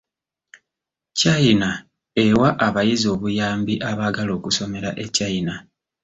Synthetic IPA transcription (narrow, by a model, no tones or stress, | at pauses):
caina | e̞waʔaβajizo̞ːβujaːmbiʔaβaɡalo̞ːkuso̞me̞ɾaʔe̞caina